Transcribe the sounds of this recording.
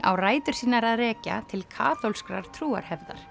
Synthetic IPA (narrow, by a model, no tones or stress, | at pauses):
a̰wraːjt̪ʏɾ̥siːnaɾaðrɛːca̰t̪ʰɪlkʰa̰ːθowlskɾaɾ̥t̪ʰɾuːa̰ɾ̥hɛvða̰ɾ̥